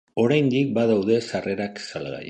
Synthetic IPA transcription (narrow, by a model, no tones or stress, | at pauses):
o̞ɾajnd̪ik̚baðawðe̞sare̞ɾaksalɣa̰j